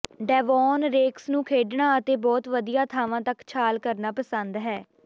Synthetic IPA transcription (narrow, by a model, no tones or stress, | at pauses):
ɖɛːʋɔːnɾeːksnũːkʰeːɖɳaːət̪eːbɔːt̪ʋəd̪ijaːt̪ʰaːʋãːt̪əkt͡ʃʰaːlkəɾnaːpəsənd̪ɦɛː